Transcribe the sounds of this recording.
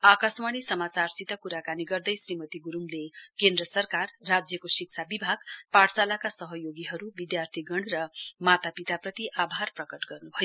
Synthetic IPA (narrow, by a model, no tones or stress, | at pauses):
akasmaɽ̃isʌmat͡sarsit̪akuɾakaniɡʌrd̪ʌjsrimʌt̪iɡuɾumlekend̪ɾʌsʌrkarːad͡zjʌkosiksʰabibʱaɡpaɽsalakasʌɦʌjoɡiɦʌɾubid̪jart̪ʰiɡʌɳrʌmat̪apit̪aprʌt̪iʔabʱarprʌkʌʈɡʌrnubʱʌjo